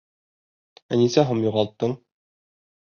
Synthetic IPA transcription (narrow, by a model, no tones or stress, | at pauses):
ænisæɦumjuʁɑlˠt̪ːɤɴ